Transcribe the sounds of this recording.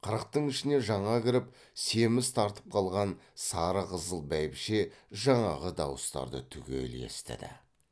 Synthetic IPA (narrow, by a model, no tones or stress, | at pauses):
qʰəɾəq̚t̪əɴɪʃɪne̞ʒɑɴɑkʲɪɾɪp | se̞mɪst̪ʰɑɾt̪ə̥p̚qʰɑlˠʁɑnsɑɾəqʰəzəlˠbæjpʃe̞ʒɑɴɑʁəd̪ɑwəst̪ɑ̰ɾd̪ə̰t̪ʰʏɡʲe̞̰le̞̰st̪ɪ̰d̪ɪ̰